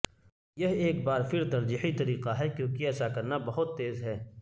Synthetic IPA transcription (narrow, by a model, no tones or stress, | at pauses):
jɐɦeːk̚baːɾfɪɾt̪ɐɾd͡ʒiːħit̪ɐɾiːqaɦɛkjõːkiɛːsakɐɾnabɐɦʊt̪ːeːzɦɛː